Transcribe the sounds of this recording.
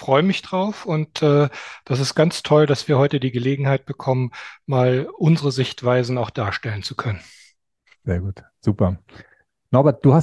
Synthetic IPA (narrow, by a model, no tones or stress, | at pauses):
fʁ̥ɔʏəmɪçd̥ʁaʊfʊntʔɛːd̥asɪstɡ̥ant͡stʰɔldasv̥iːɐhɔʏtədiːɡəleːɡŋ̩haɪt̚b̥əkʰɔmənmaːlʔʊnzəʁəzɪçtv̥aɪzn̩aʊxd̥aːɐʃtɛlənt͡sukʰœnən | z̥eːɐɡuːt | z̥uːpɐ | nabɐd̥uːhas